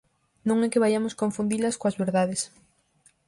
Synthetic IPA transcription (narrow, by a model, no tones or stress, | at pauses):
nõŋɛkeβajamoskoɱfund̪ilɐskoazβeɾðaðes